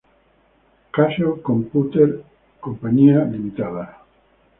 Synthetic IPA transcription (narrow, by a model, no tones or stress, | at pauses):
kaʃokõmput̪eɾ | kompaɲialimit̪aða